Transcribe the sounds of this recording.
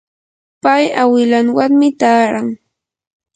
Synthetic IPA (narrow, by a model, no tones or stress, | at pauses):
pajawɪlaŋwaŋmɪt̪aːɾaŋ